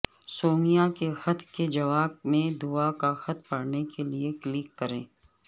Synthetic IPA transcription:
soːmijakexɐt̪ʰked͡ʒɐʋaːb̚mẽd̪uakaxɐt̪̚pɐɽnekelieklɪkːɐɾẽː

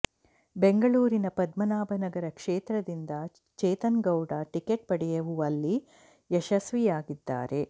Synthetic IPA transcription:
beŋɡɐɭuːɾinɐpɐd̪mɐnaːbɐnɐɡɐɾɐkʂeːt̪ɾɐd̪ind̪ɐ | t͡ʃeːt̪ɐnɡɐwɖɐʈikeʈ̚pɐɽɛjɐʋuʋɐlːi | ɛʃɐsʋijaːɡid̪ːa̰ːɾe̞

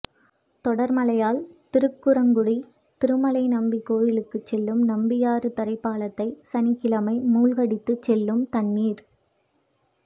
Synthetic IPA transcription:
t̪ɔɽɐɾmɐlɐjaːlt̪ɪɾɯkːɯɾɐŋɡʊɽi | t̪ɪɾɯmɐlɐɪnɐmbikːoːɾɪlɯkːɯt͡ʃːɛlːɯmnɐmbɪjaːɾɯt̪ɐɾɐɪpːaːlɐt̪ːɐɪsɐnɪkːɪlɐmɐɪmuːlɣɐɽɪt̪ːɯt͡ʃːɛlːɯmt̪ɐnːiːɾ

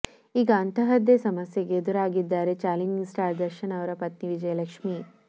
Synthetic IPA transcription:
iːɡɐːnt̪ʰɐɦɐd̪esɐmɐsjɐɡed̪uɾaːɡid̪ːaːɾet͡ʃaːliŋɡsʈaːɾd̪ɐɾʃɐnɐʋɾɐpɐt̪niʋid͡ʒɐjɐlɐkʂmi

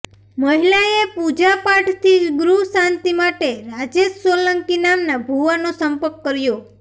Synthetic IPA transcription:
məɦilaepud͡ʒapaʈʰt̪ʰiɡɾusant̪imaʈeɾad͡ʒessoləŋkinamnabʱuʋanosəmpəɾkːəɾjo

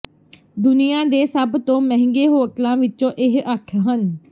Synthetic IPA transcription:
d̪ʊnɪjãːd̪eːsəbt̪õːməɦɪ̃ŋɡeːɦoːəklãːʋɪt͡ʃõːʔɪɦʔaːkʰɦən

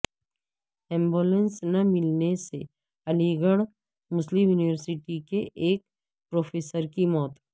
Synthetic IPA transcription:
ɛ̃ːmboːlɛ̃nsnɐmɪlnese | ɐliɡəɽ̃ | mʊslɪmjuːniʋəɾsɪʈikeʔeːk̚ | pɾoːfʰeːsəɾkimɔːt̪

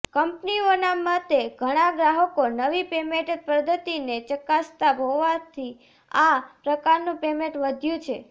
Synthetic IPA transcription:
kəmpnionamat̪eɡʱəɽ̃aɡɾaɦəkonəʋipemẽʈpɾəd̪ʱːət̪inet͡ʃəkast̪abɦoʋat̪ʰi | apɾəkaɾnũpemẽʈʋəd̪ʱjũt͡ʃʰe

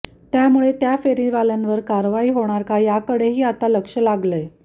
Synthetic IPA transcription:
t̪jamuɭet̪jafeɾiʋalənʋəɾkaɾʋaiːɦoɽ̃aɾkajakəɽeɦiːat̪aləkʂəlaɡləj

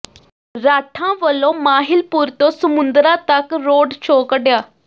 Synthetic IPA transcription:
ɾaːʈʰãːʋəlːõːmaːɦɪlpʊɾt̪õːsəmʊ̃nd̪ɾãːt̪əkɾoːɖt͡ʃʰoːkəɖjaː

